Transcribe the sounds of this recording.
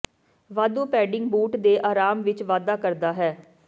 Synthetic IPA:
ʋaːd̪uːpɛːɖɪŋɡbuːʈd̪eːʔaːɾaːmʋɪt͡ʃʋaːd̪aːkəɾd̪aːɦɛː

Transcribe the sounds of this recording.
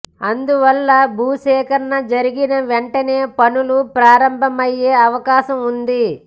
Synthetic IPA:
ɐnd̪uʋɐlːɐbʱuːʃɛːkɐɾnɐd͡ʒɐɾiɡinɐʋeɳʈɐne̞ːpɐnulupɾaːɾɐmbʱɐmɐjeːɐʋɐkaːʃɐmund̪i

